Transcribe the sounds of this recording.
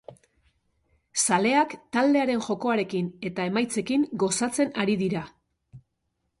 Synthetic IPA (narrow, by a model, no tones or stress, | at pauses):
sale̞akt̪ald̪e̞aɾe̞nʝo̞ko̞aɾe̞kine̞t̪ae̞majt͡se̞kiŋɡo̞sat͡se̞naɾiðiɾa